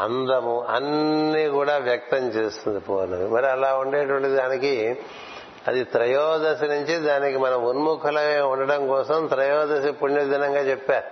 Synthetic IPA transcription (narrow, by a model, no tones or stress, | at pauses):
ɐ̰nd̪ɐmuʔɐ̰nːiːkuːɽaːʋjɐk̚t̪ɐmt͡ʃeːst̪ind̪ipoːnɐʋimɐɾiɐlaːuɳɖeːʈuʋɐɳʈid̪id̪aːniki | ɐd̪it̪ɾɐjɔːd̪ɐsinuɲt͡ʃid̪aːnikimɐnɐmunmukʰɐlɐeuɳɖɐɽɐmkɔːsɐmt̪ɾɐjɔːd̪ɐsipuɲːɐd̪inɐŋɡaːt͡ʃɛpːaːɾu